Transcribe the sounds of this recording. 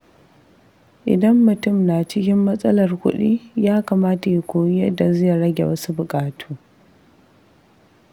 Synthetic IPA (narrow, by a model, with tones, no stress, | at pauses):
ʔɪ̰˨dɐ˦mːʊ˨tʊ˦˨mnaː˨t͡ʃɪ˦kʲɪ˦mːɐ˦sʼɐ˦lɐ˨rkʷʊ̰˦ɗiː˦jaː˦kaː˨maː˦ta˨ji˨kʷoː˨jjɐ˦dːa˨zɐ˦ja˨ɽɐ˦ɡʲḛ˨wɐ˦su˦bʊ˨kʼaː˨tʰuː˦